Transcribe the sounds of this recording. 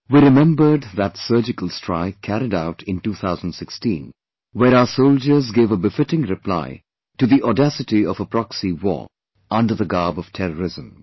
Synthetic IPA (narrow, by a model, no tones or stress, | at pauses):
wiɾɨmɛ̃mbə˞d̪ðətsɜ˞d͡ʒɪkəl̩ˠstʰɹ̥aɪkʰæɾɪdaʊtʰɪ̃ntuːθʰaʊzə̃n̩dsɪkstḭ̃n | wəɾaʊəsoʊlˠd͡ʒə˞zɡevəbɪfɪtɪ̃ŋɾɨpʰl̥a̰ɪ | tɨðiʔɔdæsɨtiʌvəpʰɹ̥ɑksiwɔ̰ | ʌ̃ndə˞ðəɡɑɹbʌv̥tʰɛɾəɹɪzə̃m